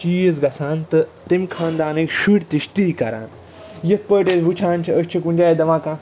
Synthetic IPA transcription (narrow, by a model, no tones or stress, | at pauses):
t͡ʃiːzɡɐsʰaːnt̪ɨt̪imʲkʰãːnd̪aːnekʃuʈʲt̪iʃt̪iːkɐɾa̰ːn | jɐt̪̚ʰpəːʈeːsbut͡ʃʰãːnt͡ʃʰiəsʲt͡ʃʰikunʲd͡ʒaːjed̪ɐmaːkãː